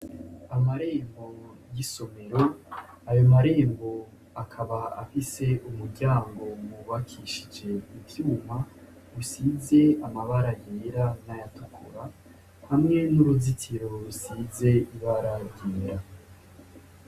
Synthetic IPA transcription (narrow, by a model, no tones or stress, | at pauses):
amaɾe̞ːmbo̞jiso̞me̞ɾo̞ | ajo̞maɾe̞ːmbo̞ | akʰaβaa̰fise̞ʔumuɾɟaːŋɡo̞muβakʰiʃid͡ʒe̞ivjuːma | ɡusize̞amaβaɾajeːɾanajatukʰuɾa | hamŋe̞nuɾuzitʰiɾo̞ɾusize̞iβaɾaɾjeːɾa